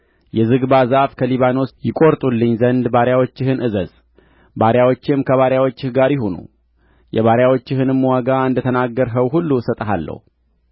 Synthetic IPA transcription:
jɛzɨɡbazafkʰəliβano̞sjɪkʼo̞ɾt̪ʼulːɨɲːzənd̪baɾjawo̞t͡ʃːɪhɨnʔɨzəz | baɾjawo̞t͡ʃːɪmkʰəβaɾjawot͡ʃːɪhɡaɾjɪɦonṵ | jɛ̰βaɾjawo̞t͡ʃːɪhɨnɨmːwaɡaɨnd̪ət̪ʰənaɡːəɾɦəwɦulːusət̪ʼəɦa̰lːə̰hu

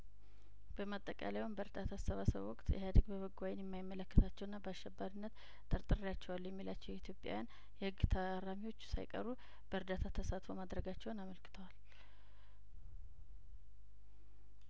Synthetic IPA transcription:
b̥əmat̪ʼːəkʼa̰lewumbəɾd̪at̪ʰasəβasə̰β̰wɔkʼt̪jɛ̰hjad̪əɡbəβəɡʷajɪnjɛmːajɪmːələkːət̪ʰat͡ʃːɛwɨnːabəaʃːɛbːaɾɨnːət̪ | t̪ʼːəɾt̪ʼɨɾjat͡ʃːɛwalːjɛmːilat͡ʃːɛwjɛit̪ʰjo̞pʼja̰wjan | jɛhɨɡːt̪ʰəɾːamiwo̞t͡ʃːsa̰jkʼə̰ɾːu | b̥əɾd̪at̪ʰat̪ʰəsat̪fo̞mad̪ɾəɡat͡ʃːɛwnaməlkʰɨ̥t̪ʰəwal

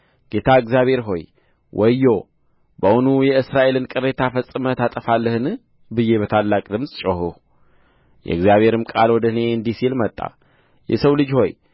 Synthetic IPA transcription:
ɡ̥e̞t̪ʰaɨɡzijaβhe̞ɾɦo̞̰j | wʔɔjːo̞ | bəwunujɛɨsɾaʔe̞lɨnkʼɨɾe̞t̪ʰafəsʼɨmət̪at̪ʼəfalːəhɨnɨ | bɨje̞βət̪ʰalːakʼd̪ɨmsʼt͡ʃʼohuh | jɛ̰ɨɡzjaβhe̞ɾɨmkʼalwɔd̪əhɨne̞ɨnd̪isilmət̪ʼːa̰ | jɛ̰səwlɨd͡ʒho̞j

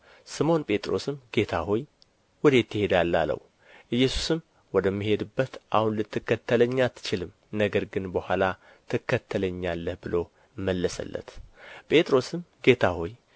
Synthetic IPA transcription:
sɨmo̞npʼe̞t̪ʼɾo̞sɨmɡe̞t̪ʰaho̞j | wɔd̪et̪ːɨhe̞d̪alːalə̰w | ʔɨjːɛsu̥sɨm | wɔd̪əmːihe̞d̪ɨbːət̪ʔahunlɨt̪ːɨkːət̪ʰːələɲːat̪ʰːɨ̥t͡ʃɪlɨm | nəɡəɾɡɨnbəhʷala | t̪ʰɨkʰːət̪ʰːələɲːalːəhbɨlo̞ | mːəlːəsə̰lːə̰t̪pʼe̞t̪ʼɾo̞sɨmɡe̞t̪ʰaho̞j

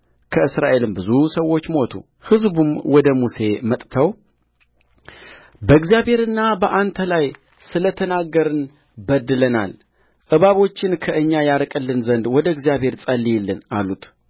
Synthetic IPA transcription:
kʰəɨsɾaʔe̞lɨmbɨzusəwːo̞t͡ʃːmo̞t̪ʰṵ | hɨzbumwɔd̪əmuse̞mət̪ʼt̪ʰəw | bəɨɡzijaβhe̞ɾɨnːabəʔant̪ʰəlaj | sɨlət̪ʰənaɡːəɾɨn | bəd̪ːɨləna̰l | ʔɨβaβo̞t͡ʃːɪnkʰəʔɨɲːajaɾkʼɨlːɨnzənd̪wɔd̪əɨɡzijaβhe̞ɾsʼəlːijɛlːɨnalut̪

